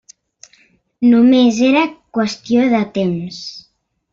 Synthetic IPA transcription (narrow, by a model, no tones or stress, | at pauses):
numezeɾakwəst̪joðət̪ems